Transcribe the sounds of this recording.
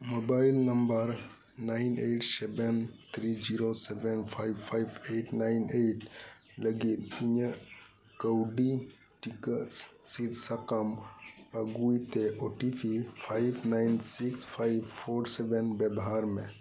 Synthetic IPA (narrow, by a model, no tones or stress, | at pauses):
mobailnɐmbəɾ | naineʈsɛbent̪ʰɾid͡ʒiɾosɛʋenpʰajpʰajbeːʈnaɪneʈ | ləɡit̪̚iɲə | kəwɖi | ʈikəs | sit̪sɐkəməɡuit̪eoʈipʰipʰajbnansikspʰajbpʰoːɾsɛbenbəbɦaɾmḛ̃